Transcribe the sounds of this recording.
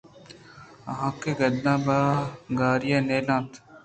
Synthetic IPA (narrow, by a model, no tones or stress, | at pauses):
ɦãːkeɡəd̪nãːbaːɡaːɾɪjaːneːlãːt̪